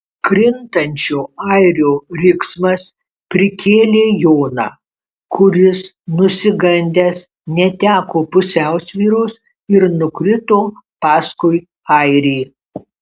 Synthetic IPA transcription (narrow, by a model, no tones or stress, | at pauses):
kɾʲɪnt̪ɐnʲt͡ʃʲoːɐɪɾʲoːɾʲɪksmɐs | pʲɾʲɪkʲeːlʲeːjoːnɑ̰ː | kʰʊɾʲɪs | nʊsʲɪɡɐnʲd̪ʲeːs | nʲɛt̪ʲæːkoːpʊsʲæˑʊsʲʋʲiːɾoːs | ɪɾnʊkɾʲɪt̪oːpɑːskʊɪ | ɐɪɾʲeː